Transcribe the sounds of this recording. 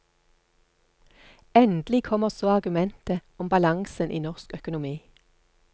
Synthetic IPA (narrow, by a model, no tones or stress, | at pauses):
ɛnd̪lɪkʰɔməʁsoːɑʁɡʉmɛnt̪əɔmbɑlɑŋsənʔḭːnɔʁskœkʊnʊmiː